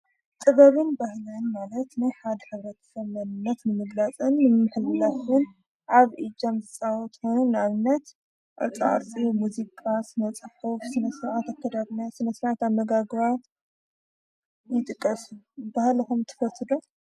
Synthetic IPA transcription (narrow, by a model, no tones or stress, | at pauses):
t̪ʼɨβɐβɨnbahlɨnmalɐt̪najħad̪ħɨβɾɐt̪ʰɐ̥sɐβmɐnɨnːɐt̪nɨmɨɡlat͡sʼɨnːɨmmɨħɨlːafɨn | ʔaβʔid͡ʒamzɨt͡sʼawɔt̪honnaβɨnːɐt̪ | ʔa̰t͡sʼaʕa̰ɾt͡sʼimuzikʼasɨnɐt͡sʼɨħufsɨnɐsɾʕat̪akʰːɐd̪aβnasɨnɐsɾʕat̪aβmːɐɡaɡβat̪ | jɪt̪ʼɨkʼːɐsu | bahlɐxumt̪ʰɨ̥fɐt̪ːɨd̪o